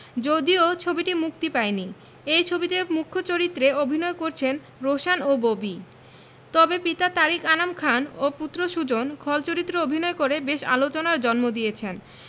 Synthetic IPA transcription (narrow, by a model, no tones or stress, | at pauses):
d͡ʑod̪iot͡ɕʰobiʈimuk̚t̪ipaeni | ejt͡ɕʰobit̪emukʰːot͡ɕoɾit̪ːɾeobʱinɔekoɾt͡ɕʰen | ɾoʃanobobi | t̪ɔbepit̪at̪aɾikanamkʰanoput̪ːɾoʃud͡ʑonkʰɔlt͡ɕoɾit̪ːɾoobʱinɔekoɾebeʃa̰lot͡ɕonaɾd͡ʑɔnmod̪ijet͡ɕʰen